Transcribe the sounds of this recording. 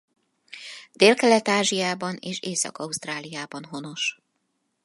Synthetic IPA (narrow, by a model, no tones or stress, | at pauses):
d̪eːlkɛlɛt̪aːʒijaːbɒneːʃeːsɒ̰kɒust̪raːlijaːbɒnɦo̞no̞ʃ